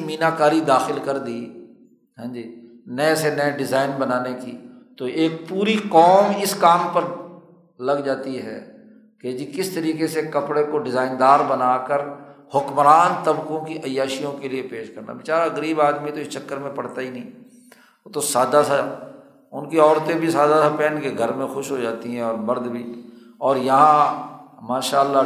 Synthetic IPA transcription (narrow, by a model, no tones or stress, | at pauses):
miːnaːkaːɾid̪aːxɪlkəɾd̪iː | ɦɛ̃ːd͡ʒiː | nəsenəɛɖɪzaːɪnbənaːnekit̪oeːk̚puːɾiqɔːmɪskaːmpəɾ | lɐɡd͡ʒaːt̪iɦɛ̰ː | ked͡ʒikɪst̪əɾiːkesekɐpɽekoɖɪzaːɪnd̪aːɾbənaːkəɾhʊkmɾaːnt̪əbkõkiʔɐjaːʃijõkeliepeːʃkɐɾna̰bɪt͡ʃaːɾaəɡəɾiːbaːd̪mĩt̪oɪst͡ʃɐkːəɾmẽpɐɽt̪aɦinɐĩː | t̪osaːd̪asa | ʊnkiɔːɾt̪ẽbʱisaːd̪asapɛːnkeɡʱəɾmẽxʊʃɦod͡ʒaːt̪iɦɛ̃ɔːɾmɐɾd̪bʱiː | ɔːɾjɐɦã | maːʃaːəlːa